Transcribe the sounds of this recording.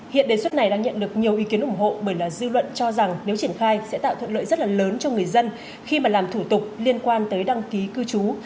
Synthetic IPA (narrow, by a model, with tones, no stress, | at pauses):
hḭ˧˨ənɗe˨˩swə˦˥t̚na˨˩jɗaː˧ŋɲə̰˧˨nɗɨ˨˩ək̚ɲi˨˩əwʔi˨˦ki˨˦ənʔʊ˧˩ŋ͡mɦo̰˧˨ɓəː˧˩jlaː˨˩zɨ˧lwə̰˧˨nt͡ɕɔ˧za˨˩ŋne˨˦wt͡ɕi˧˩ənxaː˧jsɛ̰˧˥t̪a̰ː˧˨wt̪ʰwə˧˨nlə̰ː˧˨jzt̚laː˨˩ləː˨˦nt͡ɕɔ˧ŋɨ˨˩əjzə˧n | xi˧maː˨˩laː˨˩mt̪ʰu˧˩t̪ʊ˨˩k͡p̚li˧ənkwaː˧nt̪əː˨˦jɗa˧ŋki˨˦kɨ˧t͡ɕu˨˦